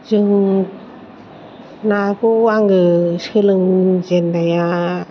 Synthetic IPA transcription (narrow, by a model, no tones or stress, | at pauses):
zɯŋ | nakuaŋɯsɯlɯŋzenːaja